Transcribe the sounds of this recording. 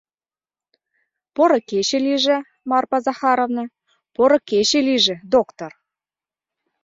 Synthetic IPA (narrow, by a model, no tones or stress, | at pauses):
poɾɤ̆keɕĕlʲiʒĕ | mɑrpɑzɑxɑɾovnɤ̆ | poɾɤ̆keɕeliʒĕd̪okt̪or